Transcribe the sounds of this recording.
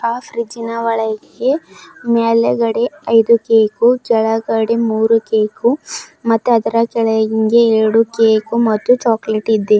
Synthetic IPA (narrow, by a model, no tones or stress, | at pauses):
aːfɾid͡ʒinɐʋɐɭɐjɡɡe̞meːlɐɡɐɽeɐjd̪ukeːkukɛɭɐɡɐɽemuːɾukeːkumɐt̪ːuɐd̪ɐɾɐkɛɭɐɡiŋɡeːɾɐɽukeːkumɐt̪ːut͡ʃaːkleʈid̪ːe